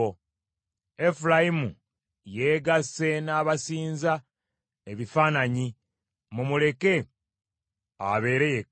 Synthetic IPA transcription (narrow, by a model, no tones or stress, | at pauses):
o | e̞fulajimu | jeːɡase̞naːβasiːnza | eβifaːnaɲi | mumule̞ke̞ | a̰βe̞ːɾeje